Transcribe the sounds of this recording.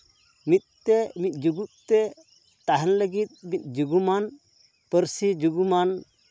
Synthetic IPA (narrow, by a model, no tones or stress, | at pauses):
mit̪̚t̪ɛmit̪̚ˀd͡ʒuɡuʔ̚t̪ɛ | t̪aɦɛnləɡit̪̚mit̪̚ˀd͡ʒuɡuman | pəɾsid͡ʒuɡuman